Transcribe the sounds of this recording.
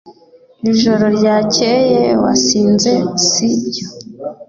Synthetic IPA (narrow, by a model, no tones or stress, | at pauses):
iʒoɾoɾɟacejewa̰siːnze̞siɟo